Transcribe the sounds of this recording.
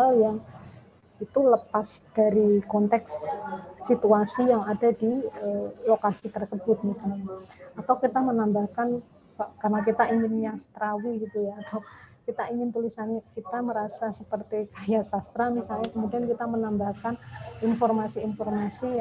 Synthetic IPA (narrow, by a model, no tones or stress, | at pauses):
aljaŋ | it̪uləpasd̥aɾikɔnt̪ɛksː | it̪uasijaŋadadiəlokasit̪ərsəbʊt̪̚misalɲaat̪awkit̪amənambahkan | akarənak̬it̪aiŋɪnjast̪ɾawiɡit̪ujaːt̪awkit̪aiŋɪnt̪ulisankit̪aməɾasasəpərt̪ikajasast̪ɾamisalɲakəmudiankit̪amənambahkaninfɔrmasiːnfɔrmasi